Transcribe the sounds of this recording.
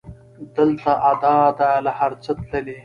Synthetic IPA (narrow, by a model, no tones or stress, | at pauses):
d̪əlt̪aʔad̪ɑd̪alahaɾt͡sət̪ləle